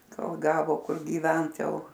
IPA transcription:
ˈkoːlˠ ˈɡɑːʋoː ˈkʊr ɡʲiːˈʋʲɛnt ˈjɛʊ

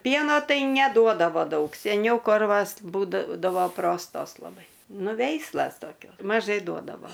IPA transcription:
ˈpʲiɛnoː ˈtɐɪ nʲɛˈduɔdɐʋoː ˈdɐʊk sʲɛˈnʲɛʊ ˈkoːrʋɐs ˈbuːdɐʋoː ˈproːstoːs lˠɐˈbɐɪ ˈnʊ ˈʋʲɛɪslˠɐs toːˈkʲoːs mɐˈʒɐɪ ˈduɔdɐʋoː

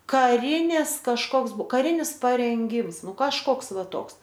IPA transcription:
kɐˈrʲɪnʲɪs kɐʃˈkoːks ˈbuɔ kɐˈrʲɪnʲɪs pɐrʲɛŋʲˈɡʲɪms ˈnʊ kɐʃˈkoːks ˈʋɐ ˈtoːks

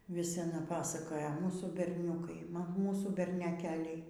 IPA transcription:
ʋʲɪs ɐˈnɐ ˈpɑːsɐkoːjɛ ˈmuːsuː bʲɛrʲˈnʲuːkɐɪ ˈmuːsuː bʲɛrʲnʲɛˈkʲæːlʲɛɪ

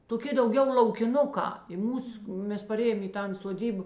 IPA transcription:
toːˈkʲɪ dɐʊˈɡʲɛʊ lˠɐʊkʲɪˈnʊkɑː ɪ ˈmuːs ˈmʲɛs pɐˈrʲeːjoːm ɪ ˈtɐn soːˈdʲiːp

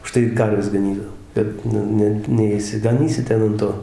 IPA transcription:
ʊˈʃtɐɪ ɪr ˈkɐrʲʋʲɛs ɡɐˈnʲiːdɐʋoː ˈbʲɛt nʊ ˈnʲɛ nʲɛɪʃʲsʲɪɡɐˈnʲiːsʲɪ ˈtʲɛn ɐn ˈtoː

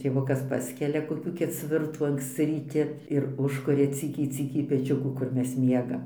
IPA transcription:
tʲeːˈʋʊkɐs ˈpɑːsʲkʲɛlʲɛ koːˈkʲuː kʲɛˈt͡sʲʋʲɪrtuː ɐŋksʲˈt͡sʲɪ rʲiːˈtʲɪ ɪr ˈʊʃkʊrʲɛ ˈt͡sʲiːkʲɛɪ ˈt͡sʲiːkʲɛɪ pʲɛˈt͡ʃʲʊkuː kʊr ˈmʲɛs ˈmʲiɛɡɐm

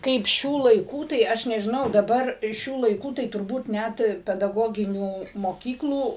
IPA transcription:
ˈkɐɪp ˈʃʲuː lˠɐɪˈkuː tɐɪ ˈɐʃ nʲɛʒʲɪˈnɐʊ dɐˈbɐr ˈʃʲuː lˠɐɪˈkuː tɐɪ tʊrˈbuːt ˈnʲæt pʲɛdɐˈɡoːɡʲɪnʲuː moːˈkʲiːklˠuː

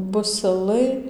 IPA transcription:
bʊsʲɪˈlˠɐɪ

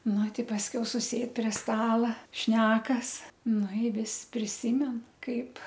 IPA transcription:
ˈnʊ ˈtʲɪ pɐsʲˈkʲɛʊ sʊˈsʲeːt pʲrʲiɛ ˈstɑːlˠɐ ˈʃʲnʲæːkɐs ˈnʊ ɪ ˈʋʲɪs pʲrʲɪˈsʲiːmʲɛn ˈkɐɪp

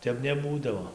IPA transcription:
ˈtʲɛp nʲɛˈbuːdɐʋoː

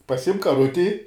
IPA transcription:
pɐˈsʲɪmk kɐˈrʊtʲɪ

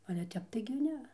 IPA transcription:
ˈɑːlʲɛ tʲɛp tɐɪɡʲɪ ˈnʲɛ

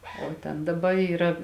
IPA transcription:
oː ˈtʲɛn dɐˈbɐ iːˈrɐ

